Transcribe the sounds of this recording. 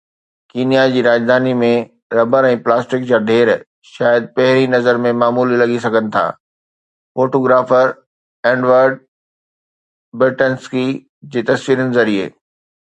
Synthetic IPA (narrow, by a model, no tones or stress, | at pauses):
kiːnijad͡ʑiːɾaːd͡ʑd̪ʱaːnimẽ | ɾɐbəɾɛ̃ːplaːsʈɪk̚d͡ʑaːɖʱeːɾ | ʃaːjəd̪̚pɐɦɪɾinɐzəɾmẽmaːmuːlilɐɡis̬ɐɡʱənɪ̆t̪ʰa̰ː | foːʈoːɡɾaːfəɾ | ɛ̃ːɳɖʋəɾɖ̚ | bɾɪʈənski | d͡ʑeːt̪ɐsʋiːɾənɪzɐɾiḛː